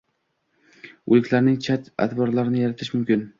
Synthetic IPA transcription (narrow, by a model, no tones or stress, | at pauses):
ʊ̰lˠɪkʰʲlaɾnɪŋt͡ʃʰat̪a̰t̪ʰbɒɾlaɾɪnɪjaɾat̪ʰɪʃmʊmkʲɪn